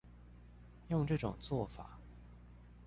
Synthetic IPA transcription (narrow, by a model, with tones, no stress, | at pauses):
jʊ˥˧ŋʈ͡ʂɤ˥˩ʈ͡ʂʊ̰˨˩ŋt͡swɔ˥˩fa̰˨˩˦